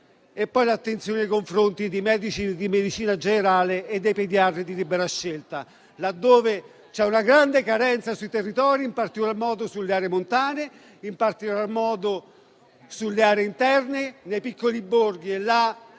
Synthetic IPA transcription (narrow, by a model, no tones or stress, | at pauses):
epːɔjlat̪ːent̪sjoneejkoɱfɾont̪id̪imɛːd̪it͡ʃid̪imed̪it͡ʃiːnad͡ʒeneɾaːleːd̪ːejped̪iarːid̪ilibeɾaʃːelt̪a | lad̪ːoːve | t͡ʃɛunaɡɾand̪ekaɾɛnt̪sasuit̪erːit̪ɔːɾimpart̪ikolarmɔːd̪osulːeaːɾemont̪aːne | impart̪ikolarmɔːd̪o | sulːeaːɾeint̪ɛrnɪnejpikːolibːorɡielːa